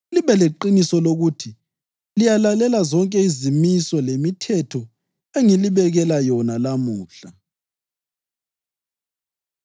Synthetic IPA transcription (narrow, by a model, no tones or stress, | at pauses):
liβɛleǃinisɔloɣutʰi | lijalalɛlazɔŋkʼɛizimisɔlemitʰɛtʰɔ | eŋiliβɛɣɛlajɔnalamuːɬa